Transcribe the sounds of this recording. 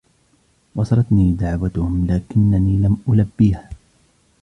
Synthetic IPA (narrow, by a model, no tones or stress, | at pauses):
wɑsɑɾˤɑt̪niːd̪aʕwat̪ʊhʊmlaːkɪnːaniːlamʔʊlabːiːha